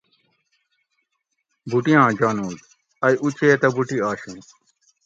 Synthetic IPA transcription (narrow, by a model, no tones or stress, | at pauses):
bʱuʈijãːd͡ʑaːnuːd̪ | ɐjʔut͡ɕʰeːt̪ɐbʱuʈiaːɕũː